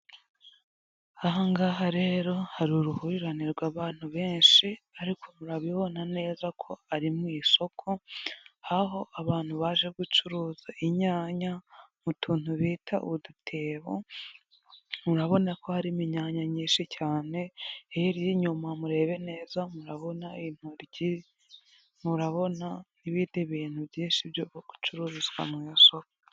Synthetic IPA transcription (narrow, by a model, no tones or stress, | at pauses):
aɦaŋɡaːɦaɾe̞ɾo̞haɾuɾuhuɾiɾaniɾɡwaːβaːn̥uβe̞ːnʃiaɾikʰo̞muɾaβiβo̞nane̞ːzakʰo̞aɾimŋiːso̞kʰo̞haɦo̞ʔaβaːn̥huβaːʒe̞ɡut͡ʃuɾuːzaʔiɲaːɲamutʰuːn̥huβiːtʰa̰ʔudutʰe̞ːβo̰ | muɾaβo̞nako̞haɾimiɲaːɲaɲiːnʃicaːne̞ejiɾjiɲumamuɾe̞ːβe̞ne̞ːzamuɾaβo̞nain̥huɾɟi | muɾaβo̞naniβiːndiβiːn̥huβjiːnʃiβjoβɡ̥u̥t͡ʃuɾuːɾuzɡwa̰mŋiso̞ko